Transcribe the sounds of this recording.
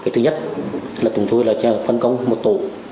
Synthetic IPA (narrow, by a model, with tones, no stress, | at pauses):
ka˨˩t̪ʰɨ˧ɲə˦˥t̚laː˨˩t̪ʊ˨˩ŋ͡mt̪ʰu˧jlaː˨˩t͡ɕːfə˧nkə˧wŋ͡mmo˨˩t̚t̪ṵ˧˨